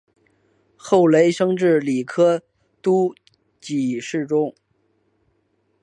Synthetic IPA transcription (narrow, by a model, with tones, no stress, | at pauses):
xo˥˩ʊle˧˥ɪʂɤ˥ŋʈ͡ʂɻ̩˥˩li˨˩kʰɤ˥ | t̪u˥ | t͡ɕi˨˩ʂɻ̩˥˩ʈ͡ʂʊ˥ŋ